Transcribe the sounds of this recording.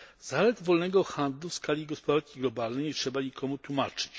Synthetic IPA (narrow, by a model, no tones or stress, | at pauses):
zalɛd̪vɔlnɛɡɔxand̪lufskalʲiɡɔspɔd̪aɾkʲiɡlɔbalnɛjɲtʂɛbaɲikʰɔmut̪wumat͡ʂɘ̥t͡ɕ